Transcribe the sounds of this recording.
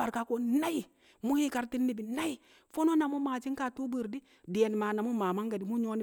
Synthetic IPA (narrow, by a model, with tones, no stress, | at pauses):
a˨ɾka˦ko˦na˦i˨ | mu˦hi˦ka˨ɾti˦nːi˦bi˨na˦i˨ | fo˦no˦na˨mu˦ma˨d͡ʒi˦ŋka˨tu˦bə˦˨ɾdi˦ | di˨e˨n˨ma˨na˨mu˦ma˨ma˦ŋɡa˨di˨mu˦ɲo˦ni˦